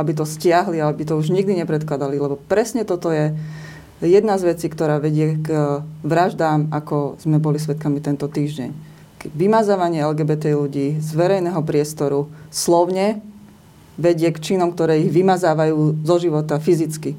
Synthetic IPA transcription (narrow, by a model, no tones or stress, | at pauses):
abit̪̬ɔscɪaɦliaɛbit̪ɔuʒɲiɡd̪iɲɛpɾɛt̪klad̪alilɛbɔpɾɛsɲɛt̪ɔt̪ɔjɛ | jɛd̪nazʋɛt͡siːkt̪ɔɾaːʋɛɟɪɛɡʋɾaʒd̪aːmakɔz̥mɛbɔlis̬ʋɛt̪̚kamit̪ɛnt̪ɔt̪iːʒɟɛ̰ɲ | kɛʋimazaːʋaɲɪɛɛlɡɛːbɛt̪ɛluɟiːzʋɛɾɛjnɛɦɔpɾɪɛst̪ɔɾuslɔʊɲɛ | ʋɛɟɪɛkt͡ʃinɔmkt̪ɔɾɛːiɣʋimazaːʋajuːzɔʒiʋɔt̪afizit͡ski